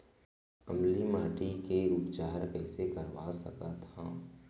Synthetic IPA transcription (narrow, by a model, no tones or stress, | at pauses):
ɐmlimaːʈikeɾuːpd͡ʒaːɾkɛːsekɐɾʋasɐkat̪ʰaː